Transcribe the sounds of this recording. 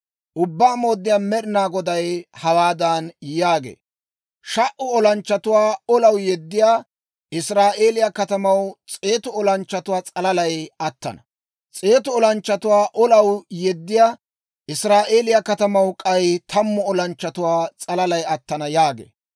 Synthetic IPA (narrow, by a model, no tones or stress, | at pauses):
ʔʊbːaːmo̞ːd̪ːɪjaːnmɛɗɪnaːɡɔd̪ɐjhɐwaːd̪anjaːɡḛː | ʃɐʔʊɔlɐnt͡ʃːɐt̪ʊwaːɔlɐwjɛd̪ːɪjaː | ɪsɾaːʔe̞ːlɪjɐkɐt̪ɐmɐwt͡sʼe̞ːt̪ʊɔlɐnt͡ʃːɐt̪ʊwaːt͡sʼɐlɐlɐjɐt̪ːɐ̰nɐ | t͡sʼe̞ːt̪ʊɔlɐnt͡ʃːɐt̪ʊwaːʔɔlɐwjɛd̪ːɪjaː | ʔɪsɾaːʔeːlɪjɐkɐt̪ɐmɐwkʼɐjt̪ʰɐmːʊɔlɐnt͡ʃːɐt̪ʊwaːt͡sʼɐlɐlɐjɐt̪ːɐnɐjaːɡḛː